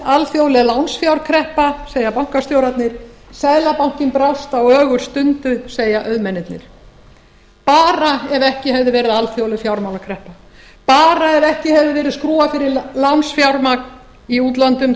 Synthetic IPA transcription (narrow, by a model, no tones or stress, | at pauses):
alfjowlɛlawnsfjawɾkʰɾɛhpaseːjapawŋ̥kast̪joːwɾat̪nɪɾ̥saːjlapawŋ̥cɪnpɾawst̪awœːɣʏɾ̥st̪ʏnt̪ʏseːjaʔœðmɛnːɪt̪nɪ̰ɾ̥ | paːɾaɛvɛhcɪhɛvðɪvɛːɾɪðalfjowlɪfjawɾmawnakʰɾɛhpa | paːɾaɛvɛhcɪhɛvðɪvɛːɾɪðskɾuːafɪɾɪlawnsfjawɾmak | iuːt̪lant̪ʏm